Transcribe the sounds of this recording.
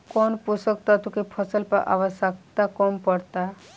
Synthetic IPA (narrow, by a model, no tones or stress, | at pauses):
kɔnpusək̚t̪at̪ukepʰəsəlpəʔa̰ʋasak̚t̪akɔmpəɽt̪a